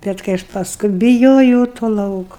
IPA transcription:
ˈbʲɛt kɐɪ ˈɐʃ pɐsˈkʊɪ bʲɪˈjoːjɛʊ toː ˈlˠɐʊkʊ

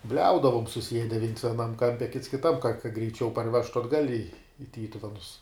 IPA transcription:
ˈbʲlʲɛʊdɐʋʊm sʊˈsʲiɛdʲɛ ʋʲiɛns ʋʲiɛˈnɐm ˈkɐmʲpʲɛ kʲɪts kʲɪˈtɐm kɐ kɐt ɡrʲɛɪˈt͡ʃʲɛʊ pɐrʲˈʋʲæːʃtʊ ɐdˈɡɐlʲ ɪ ɪ ˈtʲiːtʊʋʲɛnʊs

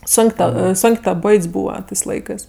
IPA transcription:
ˈsoːŋʲkʲ ˈtɐ ˈsoːŋʲkʲ tɐ ˈboːɪtʲsʲ ˈbuːʋɐ ˈtɜs ˈlˠɐɪkɜs

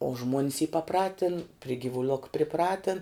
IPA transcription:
oː ʒmuɔnʲs iː pɐˈprɑːtʲɪn pʲrʲɪ ɡʲɪʋʊˈlˠoːk pʲrʲɪˈprɑːtʲɪn

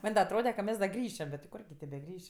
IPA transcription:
ˈmɐnʲ dɐ ɐtˈroːdʲɛ kɐ ˈmʲɛs dɐ ˈɡrʲiːʃʲɛm bʲɛt tʲɪ ˈkʊrʲɡʲɪ tʲeː bʲɛˈɡrʲɪʃʲ

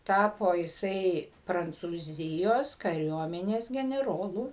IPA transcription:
ˈtɑːpoː jɪˈsɐɪ prɐnt͡suːˈzʲɪjoːs kɐˈrʲuɔmʲɛnʲeːs ɡʲɛnʲɛˈroːlˠʊ

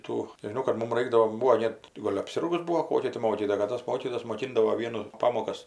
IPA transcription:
ˈtuː nʲɛʒʲɪˈnɐʊ kɐt ˈmʊm ˈrɐɪɡdɐʋoː ˈbuːʋoː ˈnʲɛt tʲɪ ˈɡoːlʲ ɐpʲˈsʲɪrɡʊs ˈbuːoː ˈkoːkʲɛ tʲɪ ˈmoːkʲiːtoːjɛ kɐt ˈtoːs ˈmoːkʲiːtoːjoːs moːˈkʲɪndɐʋoː ˈʋʲiɛnʊ ˈpɑːmoːkɐs

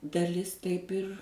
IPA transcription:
dɐˈlʲɪs ˈtɐɪp ɪr

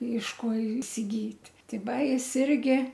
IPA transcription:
ɪʃ ˈkoː ɪsʲɪˈɡʲiːtʲ ˈtʲɪ ˈʋɐ ˈjɪs ˈɪrʲɡʲɪ

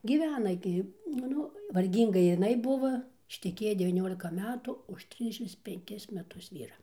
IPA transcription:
ɡʲiːˈʋʲæːnɐ ɡʲɪ nʊ ˈnʊ ʋɐrʲˈɡʲiːŋɡɐ jɪˈnɐɪ ˈbʊʋoː ɪʃʲtʲɛˈkʲeːjɛ dʲɛʋʲiːˈnʲoːlʲɪkɐ ˈmʲæːtʊ ʊʃ ˈtʲrʲɪzʲdʲɛʃʲɪms pʲɛŋʲˈkʲɪs mʲɛˈtʊs ˈʋʲiːrɐ

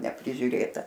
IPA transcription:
nʲɛpʲrʲɪʒʲʊˈrʲeːtɐ

